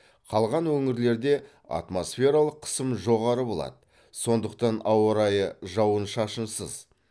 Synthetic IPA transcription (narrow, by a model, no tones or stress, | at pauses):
qʰɑlˠʁɑnwɵŋɪɾle̞ɾd̪e̞ | a̰t̪mo̞sfʲe̞ɾɑlˠəqʰːə̥səmʒo̞ʁɑɾəbo̞lˠɑ̰d̪ə | so̞nd̪əq̚t̪ɑnɑwəɾɑjəʒɑwənʃɑʃənsəz